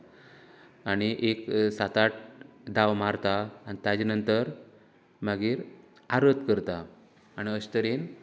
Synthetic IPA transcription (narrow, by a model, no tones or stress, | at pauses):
aɽ̃iʔeksat̪aʈ̚d̪aʋmaɾt̪aːnit̪ad͡ʑinənt̪əɾ | maɡiːɾ | aɾət̪kəɾt̪aː | ɽ̃iəɕt̪əɾen